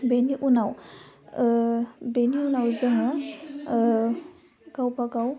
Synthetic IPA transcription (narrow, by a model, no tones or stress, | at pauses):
beniʔunaw | beniunawzɯŋa | kawpakaw